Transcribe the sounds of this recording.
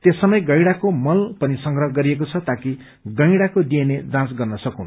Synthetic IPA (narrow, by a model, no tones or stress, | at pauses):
t̪esːʌmʌjɡʌjɽakomʌlpʌnisʌŋɡrʌɦʌɡʌɾiek̬ot͡sʰʌt̪aki | ɡʌ̃jɽakod̪iened͡zãt͡sɡʌrnʌsʌkun